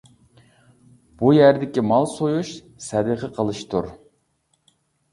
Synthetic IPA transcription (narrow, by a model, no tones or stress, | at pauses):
b̥ujæɾd̪ɪkʲimɑlˠsojuʃ | sɛd̪əqʰəqʰəlˠɨʃt̪ʰṵɾ